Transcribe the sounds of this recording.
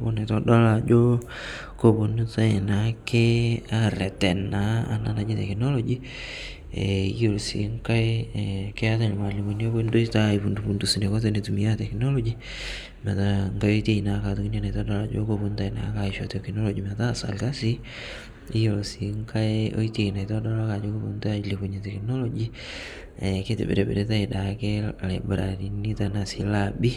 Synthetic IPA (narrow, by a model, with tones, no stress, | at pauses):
o˦ne˨tɔ˦da˦la˨d͡ʒo˦ | ko˨bo˨n˦ta˦ɪ˨na˨ke˦a˦ɾɛ˨tɛ˨na˦a̰˨na̰˦na˨d͡ʒi˦tɛ˨kno˦lo˦d͡ʒi˦ | ḛ˨i˦jo˨lsḭ˨ŋka˦ɪke˦a˦ta˨ne˨ma˨li˨mo˨njo˦bo˦ndo˦ita˦ipu˨ndu˨pu˨ndu˨sne˨ko˦t̬e˨ne˨tu˨mi˨˦a˦tɛ˨kno˦lo˦d͡ʒi | ma˨ta˦ŋɡa˦jo˦te˦ina˨ka˨tu˨ki˦ne˦na˨tɔ˦da˦la˦d͡ʒo̰˦ko˦pu˦nta˦ina̰˨˦ka˨iʃo˨tekno˦lo˨d͡ʒi˨mata˦sa̰˨lka˦si˦ | i˦jo˨lsi˨ŋka˦eo̰˦ite˨na˨itɔ˦dɔla˦ka˨d͡ʒo˦ko˦pu˨nta˦le˨bu˨ɲe˨tɛ˨kno˦lo˦d͡ʒi˦ | ɛ˨ke˦tɪ̰˨bḛ˨ɾe˨bḛ˨ɾe˦ta˦i˨da˨ke˦lḛ˨be˨ɾa̰˨ɾi˨ni˦ta˨na˨si˨˦la˨bi˦